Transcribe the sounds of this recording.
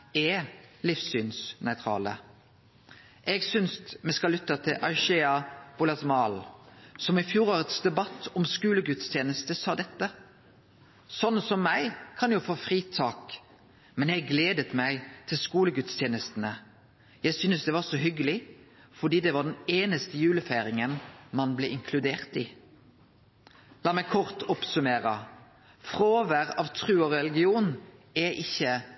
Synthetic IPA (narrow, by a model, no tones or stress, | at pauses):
ɛlɪfsyːnsnœʏt̪ʰɾɑ̰ːlə̰ | ʔɛɡsʏnst̪mɛskɑlʏt̪ːət̪ʰɪlʔɑɪʃeːɑbʊlɑsmɑːlsɔmɪfjuːɾoːɾət̪sd̪ɛbɑt̪ʰːɔmskʉːləɡʉt̪st̪ʰjeːnəst̪əsɑːd̪ɛt̪ːə | sɔnːəsɔmːæɪkʰɑnjʊfoːfʁiːt̪ʰɑːk | mɛnjæɪɡleːd̪ət̪mæɪt̪ʰɪlskuːləɡʉt̪st̪ʰjeːnəst̪nə | jæɪsʏnəsd̪ɛʋɑʁsɔɦʏɡəlɪ | fɔd̪iːd̪ɛʋɑʁd̪ɛneːnəst̪əjʉːləfeːɾɪŋənmɑnblɛʔɪŋkʰlʉd̪eːʁt̪iː | lɑːmæɪkʰɔʁt̪ɔpsʉmeːɾə | fʁoːʋəɾɑʋt̪ʰʁʉːɔʁɛlɪɡɪuːnɛʔɪçːə